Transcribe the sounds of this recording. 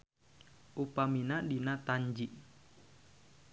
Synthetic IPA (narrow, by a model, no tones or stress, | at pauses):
ʔupaminadinat̪aɲd͡ʒiʔ